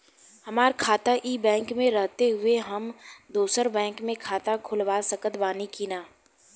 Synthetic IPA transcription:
hɐmaːɾkʰaːt̪aʔiːbɛ̃ːŋkmẽɾɐɦt̪eɦʊeɦɐmd̪oːsəɾbɛ̃ːŋkmẽkʰaːt̪akʰʊlʋaːsɐkət̪baːnikiːnaː

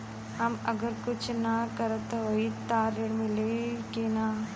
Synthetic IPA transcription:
amɐɡɐɾkut͡ʃinːaːkɐɾɐt̪ɐʋɐjit̪ːaːɾiɽmilekena

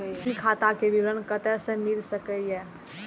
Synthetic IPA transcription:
ikʰat̪akebiɾənkət̪ɛsə̃milsəkəjɛ

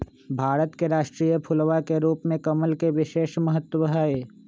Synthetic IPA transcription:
bʱaːɾət̪keɾaːʃʈɾiːjəpʰʊlʋakeɾuːpmẽkɐməlkeʋɪʃeːʃmɐɦət̪ːwəɦəe

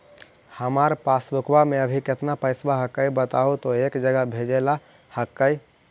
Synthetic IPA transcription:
həmaɾpasbukbamẽəbʱiket̪napəɪsbaɦəkːəibət̪aɦut̪oekd͡ʒəɡəbʱed͡ʒela | həkːəi

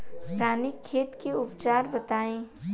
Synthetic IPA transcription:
pɾaːnɪkʰːeːt̪keʊpt͡ʃaːɾbət̪aːẽ

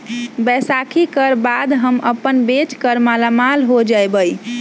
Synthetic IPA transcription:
bɛsakʰikəɾbad̪ɦəməpənbet͡ʃkəɾmalamalɦod͡ʒajbəj

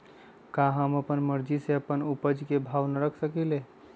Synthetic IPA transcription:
kaɦəməpənməɾd͡ʒiseəpənupəd͡ʒkebʱaʋnəɾəkʰsəkile

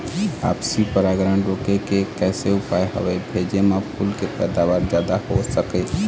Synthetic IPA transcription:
a̰ːpsipəɾaːɡɾəɳɾoːkekekɛːseʊpaːeɦə̰ʋaebʱeːd͡ʒemãpʰʊlkepɛːd̪aːʋaːɾd͡ʒjaːd̪ahosəkeː

